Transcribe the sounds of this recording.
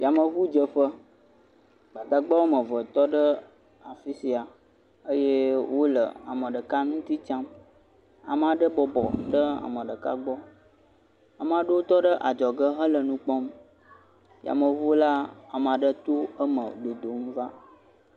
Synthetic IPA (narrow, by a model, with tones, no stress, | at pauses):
vi˨a˨mə˨βu˦d͡ʒə˨ɸə˦ | ɡ͡ba˨d̪a˨ɡ͡ba˦wo˦mə̃˨və˨t̪ɔ˦ɖə˦ | a˨fi˦si˨a˨ | ə˦je˦wo˦lə̰˨a̰˨mə̃˨ɖə˨ka˦nũ˦t̪i˦t͡ʃã˦m | a̰˨mə˨a˨ɖə˦bɔ˨bɔ̰˨ɖə˦a̰˨mə˨ɖə˨ka̰˦ɡ͡bɔ˦ | a˨mə˨a˨ɖə˦wo˦t̪ɔ˦ɖə˦ʔa˨d͡ʒɔ˨ɡə˦ɦə˦lə˨nũ˦k͡pɔ˦m | ḭ˨a̰˨mə˨vu˦o˦la˦a˨mə̃˨a˨ɖə˦t̪o˦ə˦mə˨ɖo˨d̪o˨mva˦